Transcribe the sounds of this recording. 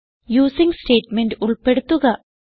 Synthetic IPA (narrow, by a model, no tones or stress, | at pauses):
juːsiŋɡsʈeːʈmeɳɖʊɭpeɽut̪ːuɣɐ